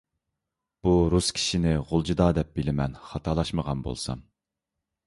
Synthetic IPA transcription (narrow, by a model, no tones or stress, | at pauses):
b̥uɾuskʲʰi̥ʃinɪʁʊlˠd͡ʒud̪ɑːd̪ɛp̚bɪlɪmɛnχɑt̪ʰɑlˠɑʃməʁɑnbo̰lˠsɑ̰m